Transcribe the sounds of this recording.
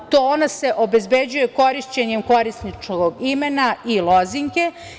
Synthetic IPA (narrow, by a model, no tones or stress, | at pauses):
t̪oonase̞ʔo̞bezbed͡ʑuje̞ko̞ɾiʃt͡ɕeɲemko̞ɾisnit͡ʃkoɡimenailˠo̞ziŋke̞